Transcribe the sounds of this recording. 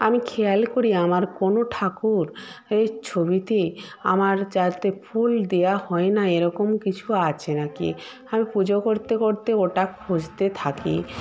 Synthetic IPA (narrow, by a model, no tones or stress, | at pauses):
amikʰealkoɾiamaɾkonoʈʰakuɾet͡ɕʰobit̪ea̰maɾd͡ʑat̪epʰuld̪ejahɔenaeɾɔkomkit͡ɕʰuat͡ɕʰenakḭ | amipud͡ʑokoɾt̪ekoɾt̪eoʈakʰːod͡ʑt̪et̪ʰakḭ